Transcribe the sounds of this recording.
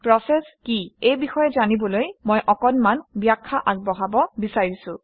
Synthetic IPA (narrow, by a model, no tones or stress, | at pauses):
pɹɔsɛskiejbixɔjɛzanibɔlojmɔjʔɔkɔnmanbjakʰːaʔaɡ̚bɔɦabɔbisaɹisʊ̃